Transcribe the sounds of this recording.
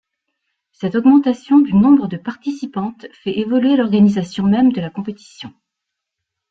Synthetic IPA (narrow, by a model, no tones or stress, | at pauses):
sɛt̪ɔɡmɑ̃t̪asjɔ̃d̪ynɔ̃bʁəd̪əpaʁt̪isipɑ̃t̪fɛʔevɔlɥelɔʁɡanizasjɔ̃mɛmd̪əlakɔ̃pet̪i̥sjɔ̃